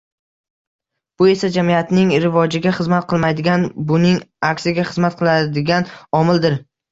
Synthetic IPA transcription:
b̥ʊe̞sad͡ʒamijat̪nɪŋɾɪvɒd͡ʒɪɡʲaχɨzmat̪̚qʰɨlˠmajd̪ɪɡʲanbʊnɪŋakʲsɪɡʲaχɨzmat̪̚qʰɨlˠad̪ɪɡʲanɒmɪld̪ɪɾ

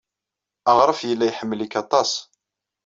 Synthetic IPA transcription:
əʁɾˤəfjəlːæjħəmːlikɑt̪ˤɑsˤ

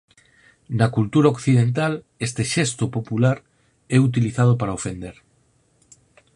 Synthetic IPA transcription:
nakult̪uɾaokθið̞ent̪al | est̪eʃest̪opopulaɾ | ɛut̪̬iliθað̞opaɾaofend̪eɾ

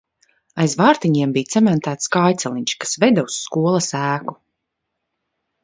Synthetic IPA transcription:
ajzvaːɾt̪iɲiɛmbijt̪sɛmɛnt̪æːt̪skajt̪sɛlʲˠiɲt͡ʃkḁsvɛd̪ɔwsːkuɔlˠɐsæːku̥

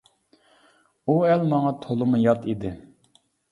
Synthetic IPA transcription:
uɛlmɑŋɑt̪ʰolˠɨmujɑt̪ʰid̪ɪ

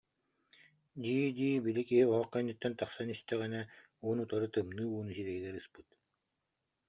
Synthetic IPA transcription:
d̪iːd̪iːbilikiɦiɔɦɔqːɛnːit̪ːɛnt̪ɑχsanist̪ɛʁɛnɛ | uːnut̪ɔɾɯt̪ɯmnɯːuːnusiɾɛɡiɡɛɾɯspɯt̪

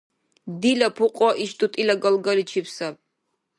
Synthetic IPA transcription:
d̪ilapʰuqʼwaʔiʃt̪ʼut̪ʼilaɡalɡalit͡ʃʰipʰsab̚

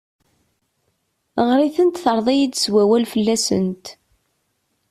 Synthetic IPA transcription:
ʁɾiθənt̪θəɾˤðˤijid̪swæwælfəlːæsə̰nt̪

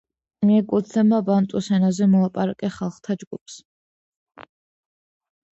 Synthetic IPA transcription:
niɛkʼut̪ʰnɛbmabant̪ʼusɛnazɛmɔlˠapʼaɾakʼɛχalˠχt̪ʰad͡ʒɡup̚ʰs

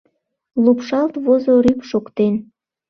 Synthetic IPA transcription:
lupʃɑlt̪βozoɾypʃokt̪en

